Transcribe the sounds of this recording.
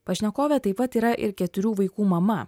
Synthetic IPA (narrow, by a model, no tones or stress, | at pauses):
pɐʃʲnʲɛkoːʋʲɛt̪ɐɪpɐt̪iːɾɐʔɪ̰ɾkʲɛt̪ʊɾʲuːʋɐɪkuːmɐmɐ